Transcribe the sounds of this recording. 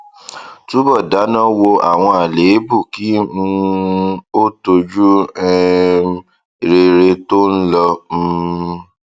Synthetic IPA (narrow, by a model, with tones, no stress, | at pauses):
tu˦bɔ˦˨da˨˦nã˦wo˧a̰˨w̃ɔ̃˧a˨le˨˦bu˦˨ki˨˦ũ˧ | o˦to˧d͡ʒu˦ɛ˦˨ | ɾe˧ɾe˧to˦n̩˦lɔ˧